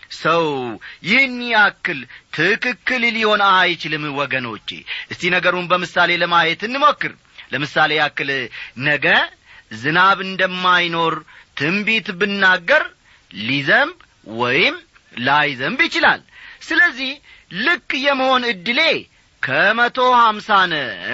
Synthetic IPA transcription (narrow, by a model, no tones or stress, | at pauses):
səwjɪhnːjakːɨlt̪ʰɨkɨkːɨlliho̞najt͡ʃɪlɨmwɔɡəno̞̰t͡ʃːḛʔɨst̪inəɡəɾunbəmɨsale̞ləmajɛt̪ɨnːɨmokːɨɾ | ləmɨsale̞jakːɨlnəɡə | zɨnaβɨnd̪əmːajno̞ɾ | t̪ʰɨmbit̪bɨnːaɡːəɾ | lizəmb | wɔ̰jɪm | lajzəmbjɪt͡ʃɪla̰lsɨləzːih | lɨkʼːjɛmːəho̞nɨd̪ːɨle̞ | kʰəmət̪ʰo̞hamsanə